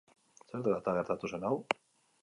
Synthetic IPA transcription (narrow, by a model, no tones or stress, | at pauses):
seɾt̪ɣat̪aɣe̞ɾt̪at̪use̞naw